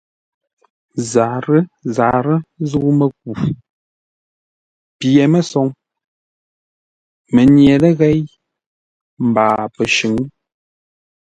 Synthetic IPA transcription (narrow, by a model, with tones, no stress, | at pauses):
za˨ɾə˦za˨ɾə˦zu˦ʔmə˨k̚u˨ | pjɛ˨mə˦sɔ˨˦ŋ | mə˨njɛ˨lə˦ɣɛ˦j | m̩˨baː˨pə˨ʃʉ˨ŋ˦